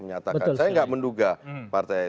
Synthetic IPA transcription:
məɲat̪abətkansajaŋɡaʔmənduɡapart̪ɛj

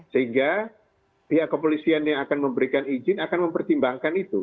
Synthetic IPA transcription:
səɦiŋɡa | piɦaʔkopolisianjaŋakanməmbəɾikanid͡ʒɪnakanməmpərt̪imbaŋkanit̪ṵ

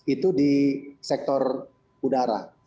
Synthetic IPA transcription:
it̪udisɛk̚t̪ɔr | udaɾa̰

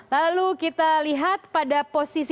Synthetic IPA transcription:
lalukit̪aliɦat̪̚padaposis

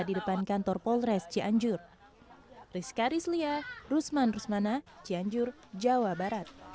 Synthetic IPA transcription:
didəpankant̪ɔrpɔlɾɛst͡ʃiʔaɲd͡ʒʊr | riskaɾisliarusmanrusmanat͡ʃiaɲd͡ʒʊr | d͡ʒawabaɾat̪̚

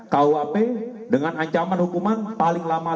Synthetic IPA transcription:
kauapɛ | dəŋanaɲt͡ʃamanhukumanpalɪŋlama

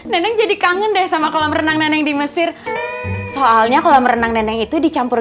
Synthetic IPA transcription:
nɛnɛŋd͡ʒadikaŋəndɛhsamakaloməɾənaŋnɛnɛŋdiməsɪr | soʔalɲakaloməɾənaŋnɛnɛŋit̪udit͡ʃampʊr

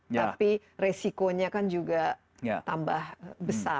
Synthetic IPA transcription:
api | resikoɲakand͡ʒuɡa | jt̪ambahbəsa

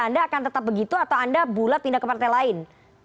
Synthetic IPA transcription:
andaːkant̪ət̪ap̚bəɡit̪uat̪awandabulat̪̚pindahkːəpart̪ɛlaɪn

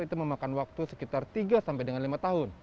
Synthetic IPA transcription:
it̪uməmakanwak̚t̪usə̥kit̪art̪iɡasampajdəŋanlimat̪aɦʊn

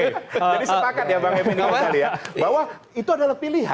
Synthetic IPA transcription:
d͡ʒadisəpakat̪̚jabaŋeminimaskalijabawa | it̪uadalahpiliɦa̰

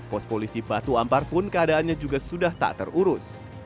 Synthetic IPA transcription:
pɔst̚polisipat̪uamparpʊnkəadaːnɲad͡ʒuɡasudaht̪a̰ʔt̪ə̰ruɾʊs

